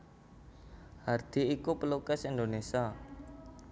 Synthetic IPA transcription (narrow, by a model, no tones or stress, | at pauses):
hard̪̥i̤ikupəlukɛsind̪onesia